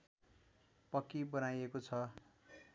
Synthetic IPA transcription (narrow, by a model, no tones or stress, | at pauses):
pʌkibʌnajekot͡sʰʌ